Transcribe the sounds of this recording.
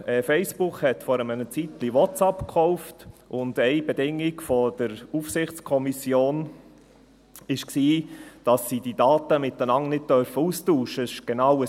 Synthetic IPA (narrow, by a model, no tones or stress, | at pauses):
ɛfɛɪsb̥ukhɛt̪fɔɾəmənət͡sit̪liwɔtt͡sɑpkχɔʊftʔʊndɛɪbedɪŋːɪkfɔd̥əɾufsɪχt͡skʰɔmisjoːn | ɪʃksiːd̥ɑsːid̥id̥ɑːtəmɪt̪ənɑŋnɪt̚tœɾfəuːstuːʃəɪʃɡ̥enɑwə